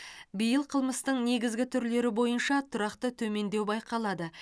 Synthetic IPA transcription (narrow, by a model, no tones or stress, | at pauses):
bijəlˠqʰəlˠməst̪əɴne̞ɡʲɪzɡʲɪt̪ʰʏɾle̞ɾɪbo̞jənʃɑt̪ʰʊɾɑqt̪ət̪ʰɵme̞nd̪e̞wbɑjqɑlˠɑd̪ə